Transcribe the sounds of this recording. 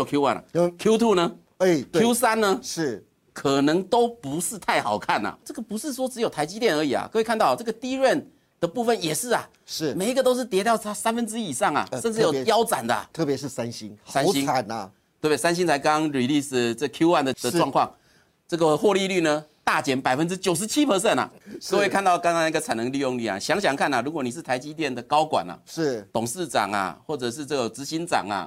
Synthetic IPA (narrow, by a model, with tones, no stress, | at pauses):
o˨˩kʰju˥wa̰˥˩nɐ̰˨˩kʰju˦ʊt̪ʰu˥˩nə˧˩ | kʰju˦˥sa˥nnə˧ʂɻ̩˥˩ | kʰə˨˩nɤ˧˥ŋt̪o˥ʊpu˧˥ʂɻ̩˥˧t̪ʰa˥˩ɪxɑ˨˩ʊkʰa˥˩nɐ̰˩ʈ͡ʂɤ˥˩ɡə˨˩pu˧˥ʂɻ̩˥˩ʂ̬wɔ˥ʈ͡ʂɻ̩˧˥jo˨˩ʊt̪ʰa˧˥ɪt͡ɕi˧˥t̪jɛ˥˩nə˞˧˥i˨˩ɐ̰˩kʰɤ˥˧we˥ɪkʰa˥˧nt̪ɑ˥˩ʊ˨˩ʈ͡ʂɤ˥˩ɡə˩t̪i˥ɻə˥˩n | d̪̥ə˩˨pu˥˧fə˥˩njɛ˨˩ʂɻ̩˥˩ɐ˩ | ʂ̩˥˩me˨˩i˦˥ɡə˧t̪o˥ʊʂ̬ɻ̩˥˩t̪jɛ˧˥t̪ɑ˥˩ʊt̪ʰa˥sa˥nfə˧˥nʈ͡ʂɻ̩˥i˨˩ʂɑ˥˩ŋɐ̰˩ə˥˧nʈ͡ʂɻ̩˥˨jo˨˩˧jɑ˥ʊt͡sa˨˩nd̪ə̰˦˨˩t̪ʰɤ˥˩pjɛ˧ʂɻ̩˥˩sa˦nɕi˥ŋsa˥n˧ɕi˥ŋ˨n˧ | t̪ʰwe˥˩˥sa˥nɕ̬i˥nt͡sʰa˧˥ɪkɑ˦˥ŋɹi˨˩li˥˩s̩˨˩t͡sə˥˩kʰju˥wa˥˩nd̪ə˩d̪ə˨ʈ͡ʂwɑ˥˧ŋkʰwɑ˥˨ŋ | t͡sɤ˥˩ɡə˨xwɔ˥˧li˥˧ly˥˩nə˨t̪a˥˩t͡ɕjɛ˧˥˦npa˨˩ɪfə˦˥nʈ͡ʂɻ̩˥t͡ɕjo˨˩ʊʂ̬̩˧˦˥t͡ɕʰi˦˥pʰə˧˥s̬ə˥˩na̰˨˩˥we˨˩kʰa˥˧nt̪ɑ˥˩ʊka˥ŋka˥ŋn˧˥˧ɡə˨t͡sʰa˨˩ɪnə˧˦ŋli˥˧jo˥˧ŋly˥˩a̰˨˩ɕjɑ˧˥ŋɕ̬jɑ˨˩ŋkʰa˥˩na˨˩ɻu˧˥k̬wɔ˧˩ni˨˩ʂ̬ɻ̩˥˩t̪ʰa˧˥ɪt͡ɕi˥t̪̬jɛ˥˩nd̪ə˨kɑ˥ʊkwa̰˨˩na̰˨˩˥t̪ʊ˨˩ŋʂɹ̩˥˩ʈ͡ʂɑ̰˨˩ŋa̰˨xwɔ˥˩ʈ͡ʂɤ˨˩ʂ̬ɻ̩˥˧t͡sə˥˩ɡə˨˩t͡sɹ̩˧˥ɕi˧˥nt͡sɑ̰˨˩ŋa̰˩